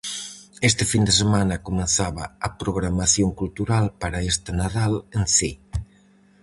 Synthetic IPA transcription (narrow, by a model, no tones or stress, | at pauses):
est̪ɪfind̪esemanɐkomẽnθaβɐ̰ːpɾoɣɾamaθjoŋkult̪uɾalpaɾaest̪anaðalensi